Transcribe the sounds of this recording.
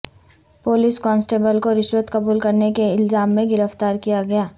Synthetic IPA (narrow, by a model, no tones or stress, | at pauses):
poːlɪskɔ̃ːnsʈeːbəlkoɾɪʃwət̪kɐbuːlkɐɾnekeɪlzaːmːẽɡɪɾəft̪aːɾkijaɡɐjaː